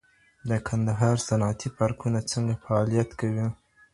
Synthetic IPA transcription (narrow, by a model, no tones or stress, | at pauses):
d̪əkʰand̪aɦɑɾsanat̪ipɑɾkunat͡səŋɡafaɑlijat̪kawi